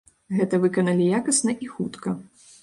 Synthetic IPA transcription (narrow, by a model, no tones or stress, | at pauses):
ɣɛt̪ɐvɨkɐnɐlʲijakɐsnɐʔixut̪kɐ